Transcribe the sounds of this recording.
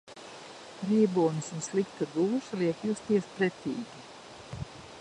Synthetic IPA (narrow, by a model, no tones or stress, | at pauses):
ɾiːbuːnɨsunslˠikt̪ad̪uːʃlˠiɛkjust̪iɛspɾɛt̪ʲiːɡʲi